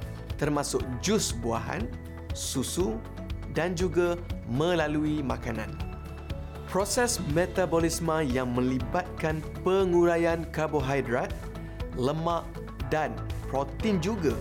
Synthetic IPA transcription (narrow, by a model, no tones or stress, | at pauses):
t̪ərmãsʊk̚d͡ʒusbuaɦa̰n | susu | dand͡ʒuɡamə̃laluimakanã̰n | pɾosɛsmet̪abolismãjaŋmə̃libat̪̚kan | pəŋũɾajankaboɦajdɾat̪̚ | ləmãʔ | danpɾot̪ɪnd͡ʒuɡa